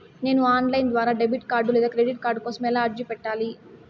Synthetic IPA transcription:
ne̞ːnuaːnlɐjnd̪ʋaːɾaːɖebiʈkaːɾɖulɛːd̪aːkɾeɖiʈ̚kaːɾɖkoːsɐmɛːlaːɐɾd͡ʒipɛʈːaːli

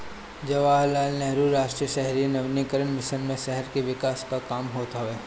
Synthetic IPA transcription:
d͡ʒɐʋaːlːaːlnɛɦɾuːɾːaːʃʈɾijəʃɛɦɾinɐʋnikəɾənmɪʃənmẽʃɛɦɛɾkeʋɪkaːskakaːmɦoːt̪aɦoeː

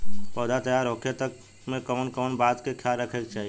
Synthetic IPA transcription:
pəːd̪at̪əjaːɾokʰet̪ək | mẽkəʋnkəːnbaːt̪kekʰjaːlɾəkʰek̚t͡ʃaːɦij

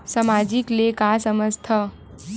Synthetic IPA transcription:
səmad͡ʒiklekasəməst̪ʰə

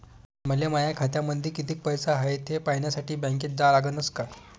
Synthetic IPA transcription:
məljeməjakʰat̪jaməd̪ʱiːkit̪iːk̚pəjsaɦaɦet̪ʰepaɦɳjasaʈiːbə̃ŋkeːt̪̚d͡zalaɡənəska

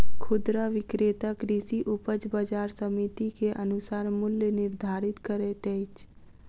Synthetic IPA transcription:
kʰʊd̪ɾaʋɪkɾeːt̪əkɾisiʔupəd͡ʒbəd͡ʒaːɾsəmit̪ikeʔənʊsaːɾmʊljənɪɾd̪ʱaːɾɪt̪kəɾet̪ɛjt͡ʃʰ

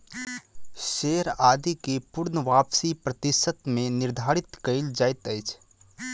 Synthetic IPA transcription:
ʃeːɾaːd̪ikepʊɾnəʋaːpsipɾət̪ɪʃət̪mẽnɪɾd̪ʱaːɾɪt̪kəɪld͡ʒaːɪt̪əjt͡ʃʰ

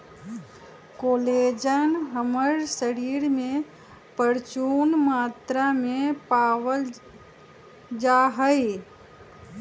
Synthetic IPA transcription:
koːleːd͡ʒənɦəməɾsəɾiːɾmẽ | pəɾt͡ʃuːnmaːt̪ɾamẽpaːwəl | d͡ʒaːɦəi

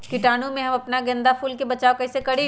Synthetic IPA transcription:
kɪʈaːnũmẽɦɐmɐpnaɡɐ̃nd̪afuːlkebɐt͡ʃaːokɐɦsekɐɽi

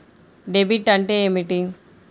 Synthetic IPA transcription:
ɖebiʈːɐɳʈeemiʈiŋ

